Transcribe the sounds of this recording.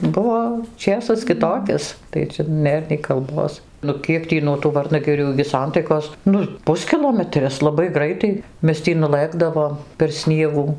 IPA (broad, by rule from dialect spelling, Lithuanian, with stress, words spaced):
ˈbʊʋoː ˈt͡ʃʲeːsɐs kʲɪˈtoːkʲɪs tɐɪ ˈt͡ʃʲɛ ˈnʲeːr nʲɛɪ kɐlˠˈboːs ˈnʊ ˈkʲiɛk tʲiː nuɔ tuː ˈʋɐrnɐɡʲɪrʲuː ɪɡʲɪ ˈsɐntɐɪkoːs ˈnʊ ˈpʊsʲkʲɪlˠoːmʲɛtʲrʲɪs lˠɐˈbɐɪ ˈɡrɐɪtɐɪ ˈmʲɛs ˈtʲiː nʊˈlˠɘɡdɐʋoːm pʲɛr ˈsʲnʲiɛɡuː